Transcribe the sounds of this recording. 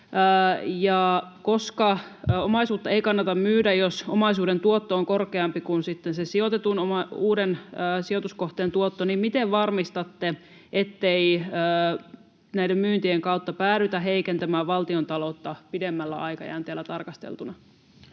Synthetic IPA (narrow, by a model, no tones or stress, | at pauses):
jɑkoskɑomɑisuːt̪ːɑeikɑnːɑt̪ɑmmyːdæjosomɑisuːdent̪uot̪ːooŋkorkeɑmpikunsit̪ːensesiot̪et̪unomɑuːdenːsiot̪uskoht̪eːnt̪uot̪ːonimmit̪eʋʋɑrmist̪ɑt̪ːe | ʔet̪ːeiəː | næidemmyːnt̪ieŋkɑut̪ːɑpæːɾyt̪æɦeikent̪æmæːʋʋɑlt̪iont̪ɑlot̪ːɑpidemːælːæ̰ɑikɑ̰jæ̰ːnt̪eælːæt̪ɑrkɑst̪ḛlt̪unɑ